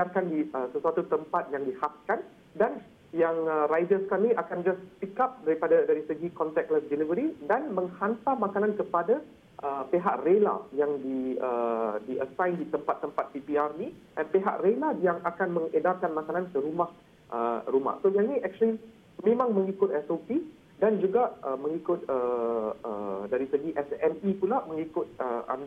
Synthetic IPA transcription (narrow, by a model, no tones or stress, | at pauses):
ədarkandiəsəsuat̪ut̪əmpat̪̚jaŋdihas̚kan | dan | jaŋəɾajdəskamiʔakand͡ʒassikap̚daɾipadadaɾisəɡikɔnt̪ɛk̚ləsdelivəɾidanmə̃ŋhant̪amakanãnkəpada | ʔəpeɦa̰ʔrela̰jaŋdiə̰diʔə̰sãjndit̪əmpat̪ːəmpat̪̚pipiarniʔɛnpeɦa̰ʔrelajaŋakanmə̃ŋədarkanmakanãnkəɾumah | ʔə̰ɾuma̰hsoɡanĩʔɛk̚t͡ʃuəli | mẽmãŋmə̃ŋikʊt̪̚ɛsopi | dand͡ʒuɡaʔəməŋikʊt̪̚əə̰daɾisəɡiʔɛsɛnipulaməŋikʊt̪̚əa̰n